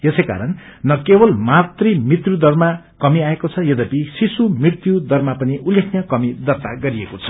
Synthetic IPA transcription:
jesejka̰ɾʌnnʌkebʌlmat̪rimit̪rjud̪ʌrma | kʌmiaekot͡sʰʌjʌd̪ʌpisisumirt̪jud̪ʌrmapʌniʔulːekʰnʌkʌmid̪ʌrt̪aɡʌɾiekot͡sʰʌ̥

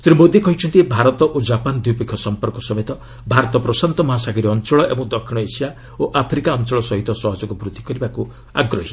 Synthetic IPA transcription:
siɾimod̪ʱikɔɦit͡ʃʰɔnt̪ibʱaɾɔt̪ɔʔod͡ʒapand̪ujpekʰːjɔsɔmpɔɾkɔsɔmet̪ɔ | bʱaɾɔt̪ɔpɾɔsant̪ɔmɔɦasaɡɔɾiɔnt͡ʃɔɭɔʔḛbɔŋd̪ɔkʰːiɽ̃ɔesija | oʔapʰɾikaɔnt͡ʃɔɭɔsɔɦit̪ɔsɔɦɔd͡ʒɔkubʱɾud̪ʱikɔɾibaku | a̰ɡɾɔɦi

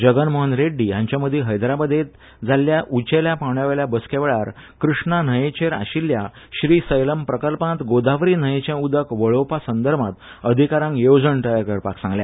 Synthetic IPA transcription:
d͡ʑəɡənmoɦənɾeɖːijãɲt͡ɕjaməd̪ʱːiɦəjd̪ɾabəd̪et̪ | d͡zaljaʔut͡ɕeljapawɳjaʋəɭjabəskeʋɭaɾkɾuʂɳan̤əjet͡ɕeɾa̰ɕilja | ɕɾiːsəjləmpɾəkəlpnat̪ɡod̪aʋɾiːn̤əjet͡ɕjãud̪əkʋəɭopasənd̪əɾmat̪ | əd̪ʱikaɾãŋkjowd͡zəɳʈ̪əjəkəɾpa̰ksãŋɡlja̰

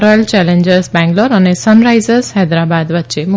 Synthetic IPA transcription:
ɾɔjlt͡ʃɛlẽɲd͡ʒəɾsbɛ̃ŋɡloɾənesənɾajzəɾshɛd̪ɾabad̪ʋətːʃemu

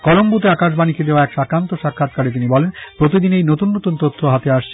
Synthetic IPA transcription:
kɔlombut̪eakaʃbaniked̪eoaɛkʃakɾant̪oʃakʰːat̪̚kaɾet̪̬inibɔlenpɾot̪̬id̪inejnot̪unːot̪unt̪ot̪ʰːoɦat̪eaʃt͡ɕʰ

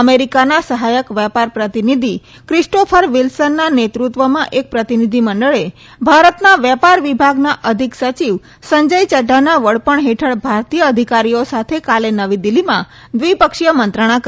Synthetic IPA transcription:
əmeɾikanasəɦajəkʋɛpaɾpɾət̪inid̪ʱi | kɾisʈofʰəɾʋilsənːanet̪ɾut̪ʋəmãʔek̚pɾət̪inid̪ʱiməɳɖəɭe | bʱaɾət̪naʋjɛpaɾʋibʱaɡnaʔəd̪ʱiksət͡ʃiʋ | səɲd͡ʒəjt͡ʃəɖʱanaʋəɭpəɳɦeʈʰəɭbʱaɾt̪ijəːd̪ʱikaɾijosat̪ʰekalenəʋid̪ilːimã | d̪ʋipəkʃijəmənt̪ɾəɽ̃ak

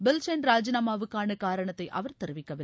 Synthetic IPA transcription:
bɪlsɛnɾaːd͡ʒɪnaːmaːʋɯkːaːnɐkaːɾɐɳɐt̪ːɐɪʔɐʋɐɾt̪ɛɾɯʋɪkːɐʋɪ

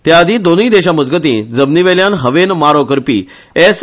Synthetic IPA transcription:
t̪jaəd̪ʱĩd̪oniːd̪eɕaməd͡zɡət̪̬ĩd͡zəbniʋeljanɦəʋenmaɾokəɾpḭː | es

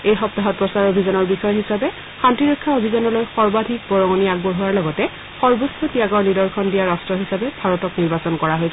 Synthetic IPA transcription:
ejxɔp̚taɦɔt̚pɹɔsaɹobʱizɔnɔɹbixɔjɦisabɛ | xantiɹokʰːaobʱizɔnɔlojxɔɹbadʱik̚bɔɹɔŋɔniaɡ̚bɔɦuwaɹlɔɡɔtɛ | xɔɹbosʰɔtiaɡɔɹlidɔɹkʰɔndijaɹastɹɔɦisabɛbʱaɹɔtɔkniɹbasɔnkɔɹaɦojsɛ

